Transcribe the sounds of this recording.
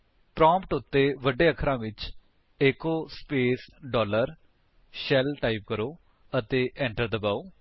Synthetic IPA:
pɾãːmpʈʊt̪ːeːʋəɖeːəkʰɾãːʋɪt͡ʃ | eːkoːspeːsɖɔːləɾ | ʃɛlʈaːip̚kəɾoː | ət̪eːʔɛ̃ːɳʈəɾd̪əbaːoː

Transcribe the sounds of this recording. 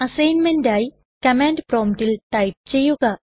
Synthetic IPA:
ɐsejnmenɖaj | kɐmeɳɖpɾɔmʈilʈajp̚t͡ʃejuka

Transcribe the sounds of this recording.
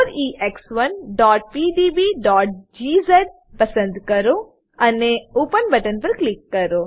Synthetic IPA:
oːɾiːʔeksʋɐnɖɔːʈ̚piːɖiːbiːɖɔːʈ̚d͡ʒiːzeɖ̚ | pɐsə̃nd̪kɐɾoː | ɐneoːpənbɐʈənpɐɾklɪkːɐɾoː

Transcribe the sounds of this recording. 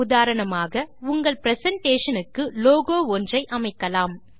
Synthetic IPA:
ʊðaːɾɐɳɐmaːɣɐʊŋɡɐɭpɪɾɛsɐɳʈeːʂɐnɯkːɯloːɣoːɔndrɐɪʔɐmɐɪkːɐlaːm

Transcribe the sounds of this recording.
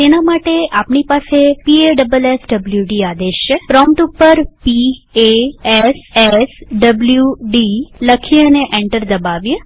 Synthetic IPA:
t̪enamaʈeʔapɳipasepieɖəbəlesɖəbljuɖiad̪eʃəpɾɔmʈupːəɾpieesesɖəbljuɖiləkʰiəneʔẽɳʈəɾd̪əbaʋje

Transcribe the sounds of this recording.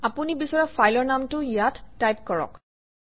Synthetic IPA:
apunibisɔɹafʰajlɔɹnamtʊijatːajp̚kɔɹɔ̰k

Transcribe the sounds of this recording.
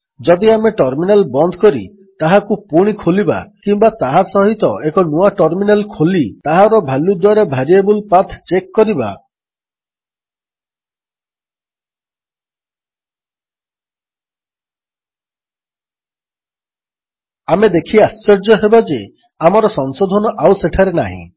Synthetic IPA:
d͡ʒɔd̪iameʈɔɾminalbɔnd̪ʱɔ̥kɔɾḭ | t̪aɦakupuɽ̃ikʰoliba̰kimbat̪aɦasɔɦit̪ɔʔekɔnuaʈɔɾminalkʰolit̪aɦaɾɔbʱalud̪waɾebʱaɾiebulpat̪ʰt͡ʃekːɔɾiba̰ | amed̪ekʰiast͡ʃɔɾd͡ʒɔɦebad͡ʒe | amɔɾɔsɔŋsod̪ʱɔnɔʔawseʈʰaɾenaɦḭ̃

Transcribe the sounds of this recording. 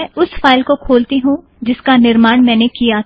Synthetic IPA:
ʊsfaːɪlkokʰoːlt̪iɦũ | d͡ʒɪskanɪɾmaːɳmɛ̃ːnekija

